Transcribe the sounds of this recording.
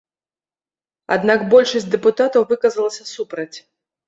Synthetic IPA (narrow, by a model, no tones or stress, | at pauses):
a̰d̪nakbɔlʲʂɐsʲtʲd̪ɛput̪at̪ɐwvɨkɐzɐlˠɐsʲɐsupɾɐt͡sʲ